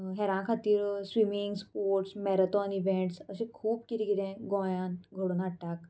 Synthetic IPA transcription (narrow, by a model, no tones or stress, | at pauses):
ɦɛɾãnkʰat̪iːɾsʋimiŋɡspoɾʈsmɛɾət̪ɔniʋẽɳʈsəsẽkʰuːp̚kiɾiɡiɾẽɡɔ̃janɡʱoɽuːnaʈak